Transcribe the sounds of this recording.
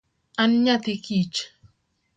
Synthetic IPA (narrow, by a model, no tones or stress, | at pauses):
anɲat̪ikit͡ʃ